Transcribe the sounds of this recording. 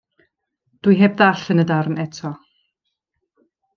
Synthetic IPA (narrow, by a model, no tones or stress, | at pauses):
d̥wɨjɦeːb̚ðaɬənədarnɛtʰɔ